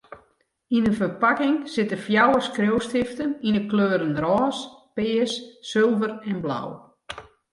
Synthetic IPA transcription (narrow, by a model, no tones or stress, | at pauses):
inənfərpakɪŋsɪtəfjawəskrowstɪftəninəkløːɾənrɔːspɪːəsːɪlˠvərɛnbla̰w